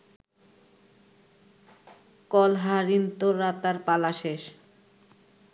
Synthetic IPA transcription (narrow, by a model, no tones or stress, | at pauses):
kɔlɦaɾint̪oɾat̪aɾpalaʃeʃ